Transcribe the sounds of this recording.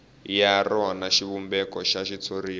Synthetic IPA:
jarɔwanaʃiβumbɛkɔʃaʃit͡sʰoɾiː

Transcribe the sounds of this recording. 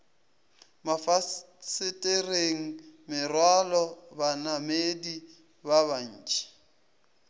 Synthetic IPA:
mafa | sɪtʼɪreŋ̩mɪrwalɔbanamedi | baβan̩ːt͡ʃʼi̥

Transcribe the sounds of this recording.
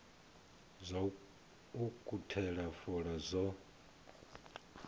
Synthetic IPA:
zʷa | ukʼutʰɛɺafɔɺazʷɔ

